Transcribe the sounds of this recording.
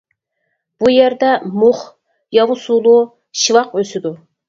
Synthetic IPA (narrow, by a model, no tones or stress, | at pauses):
b̥ujɛɾd̪ɛmʊχ | jɑvusulˠu | ʃivɑqøsɪd̪u